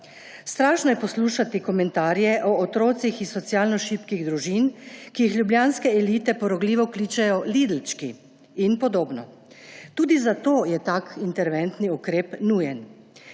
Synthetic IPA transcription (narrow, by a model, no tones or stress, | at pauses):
st̪ɾaːʃnɔjɛpɔsluːʃat̪ikɔmɛnt̪aːɾjɛʔɔːt̪ɾoːt̪sixisɔt̪sjaːlnɔʃipkiɣd̪ɾuʒinkijixlʲjubljaːnskɛɛliːt̪ɛpɔɾɔɡliːʋɔkliːt͡ʃɛjɔlid̪l̩t͡ʃkiː | npɔd̪oːbnɔ | t̪uːd̪izat̪oːjɛt̪akint̪ɛɾʋɛnt̪niukɾeːpnujɛn